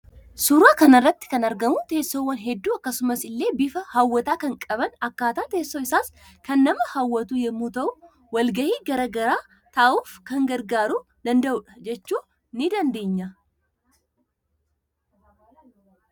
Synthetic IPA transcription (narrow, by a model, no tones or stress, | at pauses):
sʊɾaːkɐnɐrːɐt̪ːɪ̥kɐnɐɾɡɐmʊt̪e̞ːsːoːwːɐnɦɛd̪ːuːɐkːɐsʊmɐsɪlːe̞ːbɪfɐhɐwːɐt̪aːkɐŋkʼɐbɐnɐkːaːt̪aːt̪e̞ːsːoːɪsaːskɐnːɐmɐhɐwːɐt̪uːjɛmːuːt̪ɐʔʊ | wɐlɡɐhiːɡɐɾɐɡɐɾaː | t̪ɐʔuːfkɐŋɡɐɾɡaːɾuːd̪ɐnd̪ɐʔʊᶑɐ̥d͡ʒɛt͡ʃːuː | nɪd̪ɐnd̪e̞ːɲːɐ